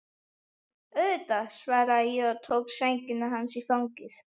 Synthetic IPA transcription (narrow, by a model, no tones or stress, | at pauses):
œðt̪asvaːɾajɛɔt̪ʰoːwksejŋcɪnaɦansifawŋcɪθ